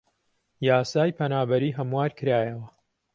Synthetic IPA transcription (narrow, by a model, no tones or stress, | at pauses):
jaːsaːjpʰɐnaːbɐɾiːɦɐmwaːɾkʰɨɾaːjɐwɐ